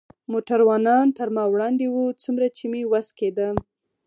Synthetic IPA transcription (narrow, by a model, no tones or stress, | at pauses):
moʈaɾwɑnɑnt̪əɾmɑwɽɑnd̪ewut͡sumɾat͡ʃimewasked̪ə